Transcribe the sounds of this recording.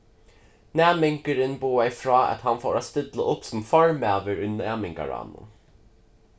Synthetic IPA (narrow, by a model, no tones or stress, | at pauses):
næːmɛŋkəɾənbuːæɪfɾɑːɑ̰t̪hɑnfoːɾɑst̪ɪd̪lə̰ʔʊpsɔmfɑɹmæːʋəɹʉnæːmɪŋɡɑ̰ɹɑ̰ːnʊ̰